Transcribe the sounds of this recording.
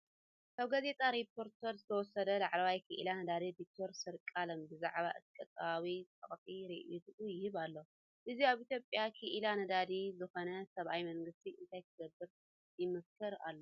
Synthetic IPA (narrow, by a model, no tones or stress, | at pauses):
kʰaβɡaze̞t̪ʼaɾipʰːo̞ɾt̪ʰɐɾzɨt̪ʰɐwɔsɐd̪ɐlaʕlɐwajkʰɨʔḭlanɐd̪ad̪id̪ik̚t̪ʰoɾsɨɾkʼalɐmbɨzaʕβaʔɨt̪ʰkʼɐt̪ʼβawit̪ʼɐ̰χʼfʼiɾiʔjut̪ɨʔujɪhɨβalːo | ʔɨzijaβʔit̪ʰjo̞pʼjakʰɨʔilanɐd̪ad̪izɨxo̞nɐsɐβʔajmɐŋɡɨst̪ʰiɨnt̪ʰajk̪ʰɨɡɐbːɨɾ | jɪmɐskʰɐɾa̰lːo